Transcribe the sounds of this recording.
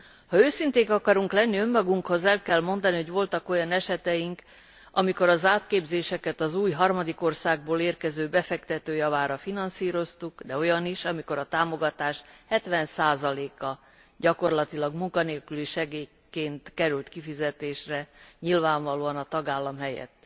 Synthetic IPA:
hɒøːsint̪eːkɒkɒɾuŋklɛnːiø̞mːɒɡuŋkho̞zɛlkɛlmo̞nd̪ɒniɦo̞ɟʋo̞lt̪ɒko̞jɒnɛʃɛt̪ɛjiŋk | ʔɒmiko̞ɾɒzaːt̪keːbzeːʃɛkɛt̪ɒzuːjɦɒrmɒd̪iko̞rsaːɡ̚boːleːrkɛzøːbɛfɛkt̪ɛt̪øːjɒvaːɾɒfinɒnsiːɾo̞st̪ukd̪ɛo̞jɒniʃɒmiko̞ɾɒt̪aːmo̞ɡɒt̪aːʃhɛt̪ʋɛnsaːzɒleːkɒ | ɟɒko̞rlɒt̪ilɒɡmuŋkɒneːlkyliʃɛɡeː | keːnt̪kɛɾylt̪kifizɛt̪eːʃrɛɲilvaːɱvɒloːɒnɒt̪ɒɡaːlːɒmɦɛjɛ̰t̪ː

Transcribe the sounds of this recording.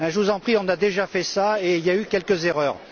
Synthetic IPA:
ɛ̃ʒəvuzɑ̃pχiɔ̃nad̪eʒafɛsaeiljaykʲɛlkəzeʁœːʁ

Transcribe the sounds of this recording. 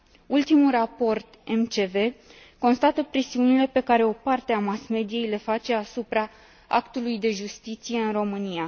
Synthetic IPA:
ult̪imulrapo̞rt̪e̞mt͡ʃe̞ve̞ | ko̞nst̪at̪əpɾe̞siunile̞pe̞kaɾe̞o̞part̪eamasme̞d̪ije̞jle̞fat͡ʃe̞asupɾa | a̰kt̪ulujd̪e̞ʒust̪it̪sije̞ɨnro̞mɨnija

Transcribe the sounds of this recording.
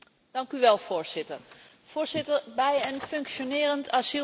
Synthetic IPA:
d̥ɑŋkyʋɛlˠv̥ʊːɹz̥ɪtə̰ɹ | v̥ʊːɹzɪtəɹbɛjənfɵŋkʃonɪːrəntasi

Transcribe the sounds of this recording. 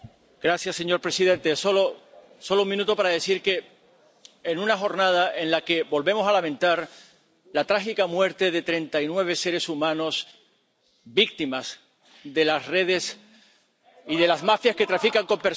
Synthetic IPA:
ɡ̥ɾaθjasːe̞ɲo̞ɾpɾe̞sið̞ẽ̞nt̪e̞solo | so̞louŋmĩnut̪opaɾaðe̞θiɾke̞ː | nũnaxo̞ɾnað̞aʔe̞nlake̞bo̞lβe̞mo̞salamẽ̞nt̪aɾ | lat̪ɾaxikamwe̞ɾt̪e̞ðe̞t̪ɾe̞nt̪ainwe̞β̞e̞se̞ɾe̞sumãno̞s | bik̚t̪imas | ðe̞lasre̞ð̞e̞s | iðelazmafjaske̞t̪ɾafikaŋko̞mpe̞ɾ

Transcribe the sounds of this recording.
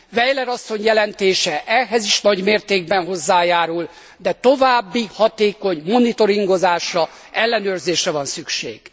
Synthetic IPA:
vɛjlɛɾɒsːo̞ɲjɛlɛnt̪eːʃɛʔɛɦɛziʃnɒɟmeːrt̪eːɡ̚bɛnɦo̞zːaːjaːɾul | d̪ɛt̪o̞vaːbːihɒt̪eːko̞ɲmo̞nit̪o̞ɾiŋɡo̞zaːʃrɒ | ɛlːɛnøːrzeːʃrɛvɒnsykʃḛːɡ̥

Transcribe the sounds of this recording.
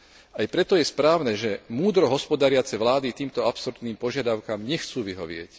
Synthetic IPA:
ajpɾɛt̪ɔjɛspɾaːʊnɛʒɛmuːd̪ɾɔɦɔspɔd̪aɾɪat͡sɛʋlaːd̪it̪iːmt̪ɔapsɔɾt̪niːmpɔʒɪad̪aʊkamɲɛxt͡suːʋiɦɔ̰ʋɪɛ̰c

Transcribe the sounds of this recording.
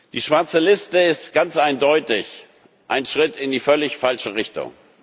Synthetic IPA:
d̥iːʃv̥aɐt͡səlɪstəɪstɡ̥ant͡sʔaɪndɔʏtɪç | ʔaɪnʃʁ̥ɪtʰɪndiːfœlɪçfalʃəʁɪçtʊ̰ŋ

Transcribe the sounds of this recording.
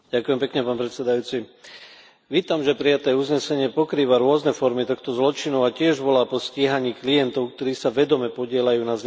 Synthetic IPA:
ɟakujɛmpɛkɲɛpaːnpɾɛt̪sɛd̪ajuːt͡si | ʋiːt̪amʒɛpɾijat̪ɛːuzɲɛsɛɲɪɛpɔkɾiːʋaɾʊɔznɛfɔɾmit̪ɔxt̪ɔzlɔt͡ʃinuacɪɛʒbɔlaːpɔsciːɦaɲiːklijɛnt̪ɔʊkt̪ɔɾiːsaʋɛd̪ɔmɛpɔɟɪɛlajuːnaz

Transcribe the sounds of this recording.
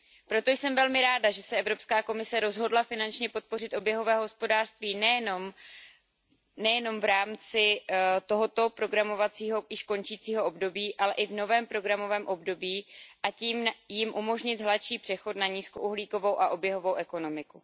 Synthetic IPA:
pɾo̞t̪o̞jsɛmvɛlmɪɾaːdaʒɛsɛɛvɾo̞pskaːko̞mɪsɛɾo̞zɦo̞dlafɪnant͡ʃɲɛpo̞t̪̚po̞r̝ɪt̪ʔo̞bjɛɦo̞vɛːɦɦo̞spo̞daːr̥st̪viːnɛjɛnom | nɛjɛno̞mvɾaːmt͡sɪt̪o̞ɦo̞t̪o̞pɾo̞ɡɾamo̞vat͡siːɦo̞jɪʃko̞nt͡ʃiːt͡siːɦo̞ʔobdo̞biːʔalɛʔɪvno̞vɛːmpɾo̞ɡɾamo̞vɛːmʔo̞bdo̞biːʔaciːmjɪmʔumo̞ʒɲɪt̪ɦlatʃiːpr̥ɛxo̞t̪naɲiːsko̞ʔuɦliːko̞vowʔaʔo̞bjɛɦo̞vowʔɛko̞no̞mɪku

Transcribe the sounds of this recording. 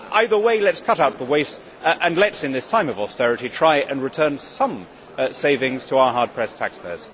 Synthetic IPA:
aɪðə˞weɪlɛtskʰʌɾaʊt̪̚ðəweɪst | ʔə̃nlɛtsɨ̃nðɪstʰãɪ̃mʌvɔstɛɹɨɾitʰɹ̥aɪɪɾɨ̰̃nɹɨtʰɜ̃˞nsʌ̃m | seɪvɪ̃ŋz̥tʰəaʊə˞ɦɑɹd̚pʰɹ̥ɛstʰækspʰɛ̰z̥

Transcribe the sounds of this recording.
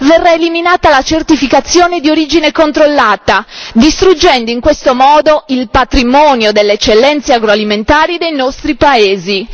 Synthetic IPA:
vɛrːaeliminaːt̪alat͡ʃert̪ifikat̪sːjoːned̪ioɾiːd͡ʒinekont̪ɾolːaːt̪ad̪ist̪ɾud͡ʒːɛnd̪oiŋkwest̪omɔːd̪oilpat̪ɾimɔːnjod̪elːeɛt͡ʃːelːɛnt̪seaɡɾoaliment̪aːɾid̪ejnɔst̪ɾipaeːzi

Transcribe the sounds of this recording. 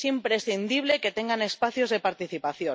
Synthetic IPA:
simpɾesθind̪iβ̞le̞ket̪e̞ŋɡane̞spaθjozð̞epaɾt̪iθipaθjo

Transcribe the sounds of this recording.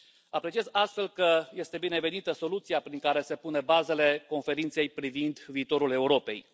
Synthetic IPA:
apɾet͡ʃie̞zast̪fe̞lkəje̞st̪e̞bine̞ve̞nit̪əso̞lut̪siapɾiŋkaɾe̞se̞pune̞baze̞le̞ko̞nfe̞ɾint̪se̞jpɾivind̪viːt̪o̞ɾule̞uɾo̞pe̞̰j

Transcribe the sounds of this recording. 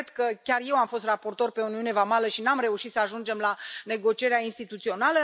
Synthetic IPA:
d̪kəkʲarje̞wamfo̞st̪rapo̞rt̪o̞rpe̞ouniune̞vamaləʃinamre̞uʃit̪səaʒund͡ʒe̞mlane̞ɡo̞t͡ʃie̞ɾeainst̪it̪ut̪sio̞nalə

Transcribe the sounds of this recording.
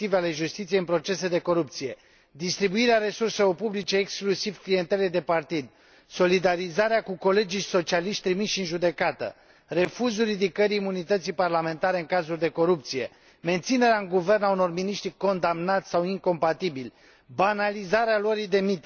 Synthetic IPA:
t̪iveale̞ʒust̪it̪sijeɨnpɾo̞t͡ʃe̞se̞d̪e̞ko̞ɾup̚t̪sije̞ | d̪ist̪ɾibuiɾeaɾe̞surselo̞rpublit͡ʃe̞ːksklusiv̥klije̞nt̪e̞led̪e̞part̪id̪ | so̞lid̪aɾizaɾeakuko̞le̞d͡ʒijso̞t͡ʃialiʃt̪ʲt̪ɾimiʃiɨnʒud̪e̞kat̪ə̰ | re̞fuzuɾid̪ikəɾiːmunit̪ət̪sijparlame̞nt̪aɾe̞ɨŋkazurʲd̪e̞ko̞ɾup̚t̪sije̞ | me̞nt̪sine̞ɾeaɨŋɡuve̞rnauno̞rminiʃt̪ɾiko̞nd̪amnat̪sʲsawiŋko̞mpat̪ibilʲ | banalizaɾealoɾijd̪e̞mit̪

